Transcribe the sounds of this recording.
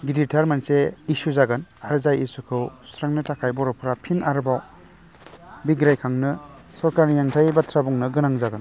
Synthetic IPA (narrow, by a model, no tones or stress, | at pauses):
ɡiditʰaɾmanseisuzaɡanaɾɯzajisukʰɯwsɾaŋnɯtʰakʰajbɔɾɔpʰɾapʰinaɾbaw | biɡɾajkʰaŋnɯ | sɔɾkaɾnijaŋtʰajbatʰɾabuŋnɯɡɯnaŋzaɡan